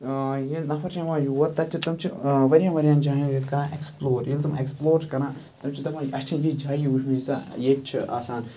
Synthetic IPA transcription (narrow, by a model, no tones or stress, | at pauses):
jenɐpʰɐɾt͡ʃʰɐʋãːjuɐɾt̪ɐt͡ʃʲʰit̪ɐmt͡ʃʰiʋɐɾʲjãːʋɐɾʲijaːnd͡ʒaːjĩjet̪ʰkɐɾãːʔeksploːɾjelt̪ɐmã̰eksploːɾt͡ʃʰkɐɾãː | t̪ɐmt͡ʃʰit̪ɐmãːjɐʃʈʰĩnd͡ʒid͡ʒaːjiuʃʰmiza̰jeːt͡ʃʰia̰ːsaːn